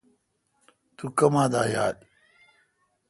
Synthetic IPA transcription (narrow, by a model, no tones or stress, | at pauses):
t̪ukɐmaːd̪aːja̰ːɗ